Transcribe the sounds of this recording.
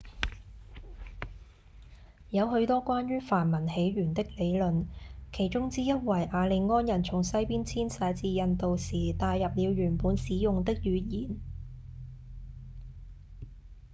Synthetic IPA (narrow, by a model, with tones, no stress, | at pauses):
jɐ˨˧wɦɵ˨˧ɥt̪ɔː˥kʷaː˥nɥyː˥faː˨˩nmɐ˨˩nhe˨˥jɥyː˨˩nt̪ɪ˥k̚le˨˧jlɵ˨nkʰe˨˩jt͡ʃʊ˥ŋt͡siː˥jɐ˥t̚wɐ˨˩jʔaː˨˧le˨˧jŋɔː˥njɐ˨˩nt͡sʰʊ˨˩ŋsɐ˥jpiː˥nt͡sʰiː˥nsɛː˨˧t͡siː˨˧jɐ˨˧nt̪o˨wsiː˨˩t̪aː˧jːɐ˨p̚liː˨˧wɥyː˨˩npuː˨˥nsiː˨˧jʊ˨ŋt̪ɪ˥k̚jyː˨˧jiː˨˩n